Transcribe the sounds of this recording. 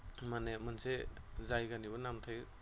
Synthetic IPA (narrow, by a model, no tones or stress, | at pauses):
manemanse | zajɡanibɯnamtʰaj